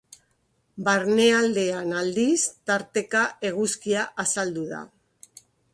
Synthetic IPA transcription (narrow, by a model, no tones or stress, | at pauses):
baɾne̞ald̪e̞anald̪ist̪aɾt̪e̞kaʔe̞ɣ̞uskiaʔasald̪uða̰